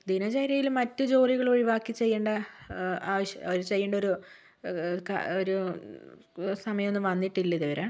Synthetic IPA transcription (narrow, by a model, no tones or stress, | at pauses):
d̪inɐt͡ɕɐjɾɐjilmɐtːɨd͡ʑo̞ːriɣɐɭo̞ɻiʋaːkːit͡ɕːe̞jːeːɳɖɐ | aːʋɐɕɐoɾut͡ɕe̞jːeːɳɖɐo̞ɾu | ka̰oɾu | sɐmɐjɐmenːɨmʋɐnːiʈːilːɐiðuʋɐɾɐ